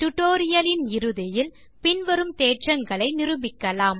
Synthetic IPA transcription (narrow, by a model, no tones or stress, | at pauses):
ʈ̪ʊʈoːɾɪjɐlɪnɪɾɯðɪjɪl | pɪnʋɐɾɯmt̪eːʈrɐŋɡɐɭɐɪnɪɾɯbɪkːɐlaːm